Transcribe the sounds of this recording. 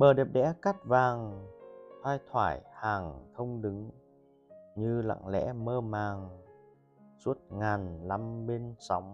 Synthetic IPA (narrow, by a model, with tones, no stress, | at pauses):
ɓəː˨˩ɗi˨˩əp̚ɗɛ̰˧˥ka˦˥t̚vaː˨˩ŋ | t̪ʰwaː˧jt̪ʰwaː˧˩jhaː˨˩ŋt̪ʰə˧wŋ͡mɗɨ˨˦ŋ | ɲɨ˧la̰˧˨ŋlɛ̰˧˥məː˧maː˨˩ŋ | su˦˥ət̚ŋaː˨˩nla˧mɓe˧nsa˨˦wŋ͡m